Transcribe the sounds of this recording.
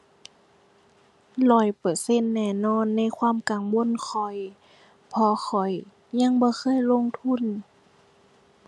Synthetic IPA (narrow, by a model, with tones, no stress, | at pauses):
lɔː˧˩jpɤ˨˩se˧˥˨nːɛː˧˩nɔː˧˥˨nːa˧˥˨jkʰwaː˧˥˨mka˨˩ŋwo˧˥˨nkʰɔ˨˩j | pʰɔː˧xʰɔ˨˩j | ɲa˧˥˨ŋbɔː˧˦xʰɤː˧˥˨jlo˧˥˨ŋt̪ʰu˧˥˨n